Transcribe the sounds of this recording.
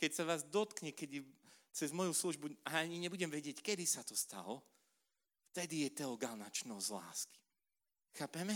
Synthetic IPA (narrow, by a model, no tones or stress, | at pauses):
kɛcsaʋaːzd̪ɔt̪kɲɛkɛɟt͡sɛzmɔjusluʒbuaaɲiɲɛbuɟɛmʋɛɟɪɛckɛd̪isat̪ɔst̪a̰lɔ | ft̪ɛd̪ijɛt̪ɛɔɡalnat͡ʃnɔzla̰ːski̥ | xaːpɛmɛ